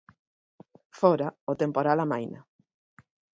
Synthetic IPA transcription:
fɔɾaot̪empoɾalamajnɐ̰

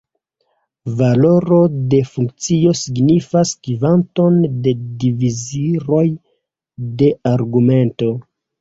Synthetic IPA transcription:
valo̞ɾo̞de̞fuŋk̚t͡sio̞siɡnifaskivanto̞nde̞diviziɾo̞j | de̞ʔaɾɡume̞nto̞

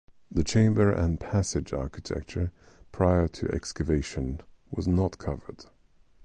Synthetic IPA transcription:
ðɨt͡ʃʰẽɪ̃mbə˞ʔɨ̃npʰæsɪd͡ʒɑ̰ɹkɨtʰɛ̰k̚t͡ʃə˞ | pʰɹ̥aɪə˞ɾʰɨ̰ʔɛ̰kskɨveɪʃɨ̃nwʌznətkʰʌvə̰˞d̥

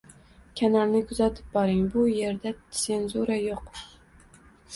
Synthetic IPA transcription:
kʲʰanaɾnɪkʰʊzat̪ʰɪ̥p̚bɒɾɪŋbʊje̞ɾd̪ase̞nzʊɾajoq

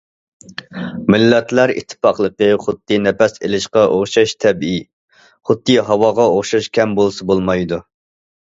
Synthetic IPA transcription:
mɪlːɛt̪ʰlˠæɾḭt̪ʰːɨ̥pɑqlˠəqəχʊd̪ːɨnɛpɛsḛlɪʃqɑʔoχʃɑʃt̪ʰɛbi | χʊd̪ːɨɦɑwɑːʁɑoχʃɑʃkʲʰɛmbolˠsɨbolˠmɑjd̪u

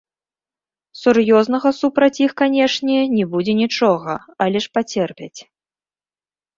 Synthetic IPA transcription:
surjɔznɐɣɐsupɾɐt͡sʲixkanʲɛʂnʲɛnʲɛbud͡zʲɛnʲit͡ʂɔɣɐ̰alʲɛʂpat͡sʲɛrpʲɐt͡sʲ

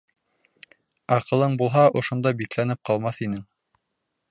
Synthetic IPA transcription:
ɑqɤ̆lˠɤɴbulˠɦɑʔŏʃŏnd̪ɑbiklænɘp̚qɑlˠmɑθinɘŋ

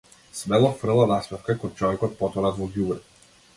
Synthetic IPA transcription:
svɛlˠɔfr̩lˠanaspɛfkakɔnt͡ʃɔvɛkɔt̪̚pɔt̪ɔɾad̪vɔɡjubɾɛ

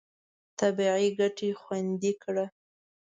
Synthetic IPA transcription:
t̪abiʕiɡaʈexwand̪ikɽa

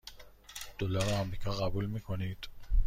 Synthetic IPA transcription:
d̪̥olɒːɾæmɾiːkʰɒːɣæbuːlmiːkʰonid̪̥

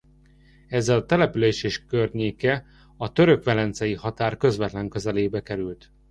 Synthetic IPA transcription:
ɛzːɛlɒt̪ɛlɛpyleːʃeːʃkørɲeːkɛ | ɒt̪ø̞ɾø̞kʋɛlɛnt̪sɛjihɒt̪aːrkø̞zʋɛt̪lɛŋkø̞zɛleːbɛkɛɾylt̪

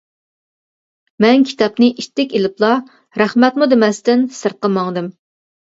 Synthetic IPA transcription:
mɛnkʲʰi̥t̪ʰɑpnɨʔiʃt̪ːɪkʲelɪplˠɑ | ɾæχmɛt̪mud̪emɛst̪ɪnsəɾqəmɑŋd̪ɨm

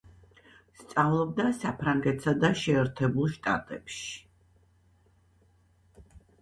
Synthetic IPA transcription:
st̪sʼavlˠɔb̚d̪asapʰɾaŋɡɛt̪ʼsad̪aʃɛːɾt̪ʰɛbulˠʃt̪ʼa̰t̪ʼɛpʃi̥

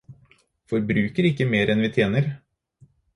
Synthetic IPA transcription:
fɔɾbɾʉːkəɾɪkːəmeːɾɛnʋɪːt̪ʰjeːnəɾ

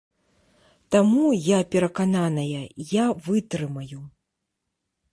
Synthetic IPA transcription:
t̪amujapʲɛɾɐkananɐjɐjavɨt̪ɾɨmɐju

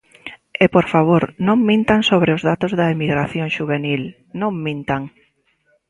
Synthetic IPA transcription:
epoɾfaβ̞oɾnõŋmĩnt̪aŋsoβɾeʊzðat̪ozðɐemiɣɾaθjõŋʃuβenil | nõŋmĩnt̪aŋ

